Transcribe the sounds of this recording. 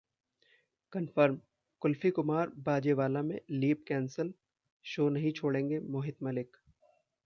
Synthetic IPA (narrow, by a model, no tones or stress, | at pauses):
kɐnfəɾm | kʊlfikʊmaːɾbaːd͡ʒeʋaːlamḛ̃liːpkɛːnsəl | ʃoːnɐɦĩt͡ʃʰoːɽẽːŋɡemoːɦɪt̪mɐlɪk